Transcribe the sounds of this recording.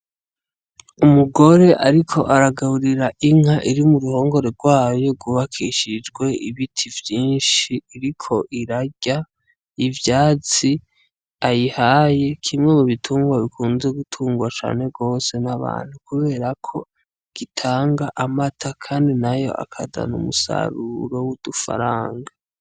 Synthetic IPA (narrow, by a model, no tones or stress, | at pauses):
umuɡo̞ɾe̞ʔaɾikʰo̞ʔaɾaɡahuɾiɾaʔiŋ̥aʔiɾimuɾuho̞ːŋɡo̞ɾe̞ɾɡwaːjo̞ɡuβakʰiʃid͡ʒɡwe̞iβitʰivjiːnʃiːɾikʰo̞ʔiɾaɟa | ivjaːt͡si | ajihaje̞kʰimŋe̞muβitʰuːŋɡwaβikʰuːnzeɡutʰuːŋɡwat͡ʃa̰ːne̞ɡo̞ːse̞naβa̰ːn̥hukuβe̞ːɾakʰo̞ | ɡ̥itʰaːŋɡaʔamatʰakʰaːndinajo̞̰ʔa̰kʰada̰nṵmusa̰ɾuɾo̞wud̥ufa̰ɾaːŋɡa